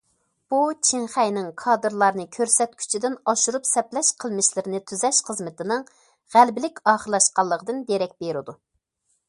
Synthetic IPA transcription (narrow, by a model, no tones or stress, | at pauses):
b̥ut͡ʃʰiŋχæjnɪŋkʰɑːd̪ɨɾlˠɑɾnɨkʲʰøɾsɛt̪̚kʲʰy̥t͡ʃʰid̪ɪnɑʃuɾupsɛplɛʃqʰəlˠmɪʃlɪɾɪnɨt̪ʰyzɛʃχəzmɪt̪ʰɪnɨŋ | ʁælbɪlɪkʲɑːχəɾlˠɑʃqɑlˠːəʁʰəd̪ɨnd̪eɾɛk̚ʲbeɾɪd̪u